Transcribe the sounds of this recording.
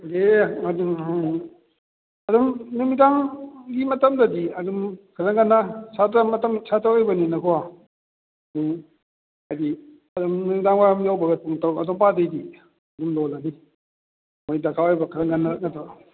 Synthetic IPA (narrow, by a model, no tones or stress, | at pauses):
deaduŋ | ɐdumnumidaŋɡimɐtɐmdadiɐdumkʰaɾaŋɡanːasʰatamɐtɐmsʰatawajbaninakʰɔwa | ɐduŋ | ajdi | ɐdumnumidaŋwajamjawbaɡɐtuŋtʰawɐdɔŋpadejdi | ɐdumlɔlani | majdakʰawajbakʰaɾaŋɡanːanatɔ